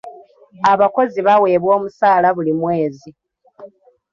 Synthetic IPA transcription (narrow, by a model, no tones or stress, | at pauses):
aβako̞ziβawe̞ːβwo̞ːmusaːlaβulimwe̞ːzi